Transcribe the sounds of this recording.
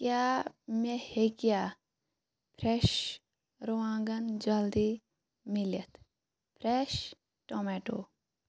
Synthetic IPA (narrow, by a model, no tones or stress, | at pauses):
kjaːmehekijaː | pʰɾɛʃ | ɾoʋãːŋɡɐnd͡ʒɐld̪i | milɐt̪ʰ | pʰɾɛʃ | ʈomɛʈo̰ː